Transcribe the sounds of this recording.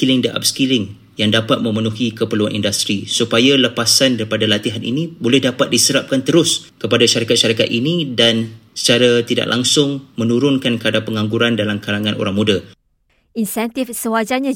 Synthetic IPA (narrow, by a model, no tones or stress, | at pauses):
ilɪŋdəʔa̰p̚skilɪŋ | jaŋdapat̪̚mə̃mə̃nuɦikəpəluanḭndast̪ɾisupajaləpasandaɾipadalat̪iɦanḭnĩbolɛhdapat̪̚disəɾap̚kant̪əɾʊskəpadaʃaɾikat̪̚ʃaɾikat̪inĩdansə̥t͡ʃaɾat̪ida̰ʔlʔa̰ŋsʊŋmə̃nuɾʊnkankəadapəŋãŋɡuɾandalamkalaŋãnʔo̰ɾaŋmũda | insɛnt̪ifsəwad͡ʒaɲã